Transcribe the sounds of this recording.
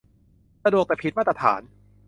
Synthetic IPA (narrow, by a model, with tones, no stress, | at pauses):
sa˧du˨˩ək̚t̪ɛː˨˩pʰi˦˥ma˥˩˧a˧tʰa̰ː˩˦n